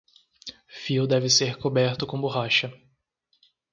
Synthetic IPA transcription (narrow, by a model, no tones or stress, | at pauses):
fiwd̪ɛvɪseɾkobɛɾt̪ʊkõboɦaʃɐ